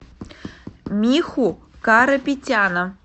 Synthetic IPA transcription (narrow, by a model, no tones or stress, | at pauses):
mʲixu | kaɾɐpʲitʲanə